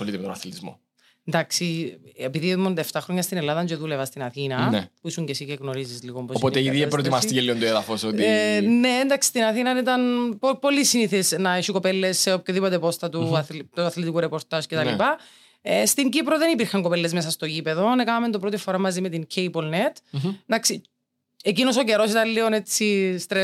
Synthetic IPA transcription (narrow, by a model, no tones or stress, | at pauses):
olit̪emet̪onɐθlt̪izmo̰ | end̪ɐksiepiðimond̪ɐeft̪ɐxɾoɲːɐst̪inelːɐðɐnd͡ʒueðulevɐst̪inɐθinɐnepuisuɲcesiceɣnoɾizizliɣomposopot̪eiðiepɾot̪imɐst̪icelːiont̪oeðɐfosot̪ineːnd̪ɐksi̥st̪inɐθinɐnit̪ɐnpopolːisiniθesnɐeʃikopelːe̞sːeop̚çoðipo̞t̪epost̪ɐt̪ut̪uɐθlet̪ikuɾepoɾt̪ɐscet̪ɐlipɐ | est̪iɲɟipɾoðenipiɾxɐŋkopelːezmes̬ɐst̪ocipeðonekɐnɐment̪opɾot̪ifoɾɐmːɐzimet̪iŋcʰejbolnet̪nd̪ɐksi | ecinosoceɾo̞sit̪ɐnlionet͡sːist̪ɾe